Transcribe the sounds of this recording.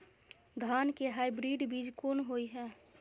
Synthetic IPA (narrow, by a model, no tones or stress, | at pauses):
ɡʱaːnkeɦaːibɾiːɖbiːd͡ʒkoːnɦoiɦɛː